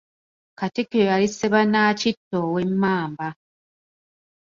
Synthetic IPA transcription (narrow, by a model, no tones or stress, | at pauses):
katikejojaliseβanaːcitːowemːaːmba